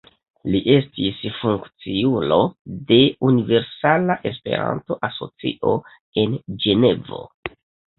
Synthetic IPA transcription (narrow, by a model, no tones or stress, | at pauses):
liʔe̞stisfuŋkt͡siulo̞de̞unive̞ɾsalaʔe̞spe̞̰ɾa̰nto̞ʔaso̞̰t͡sḭʔo̞ | e̞nd͡ʒe̞ne̞vo̞̰